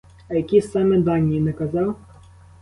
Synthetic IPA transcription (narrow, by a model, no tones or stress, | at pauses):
ɐjɐkʲisɑmɛd̪ɑnʲːijːnɛkɐzɑw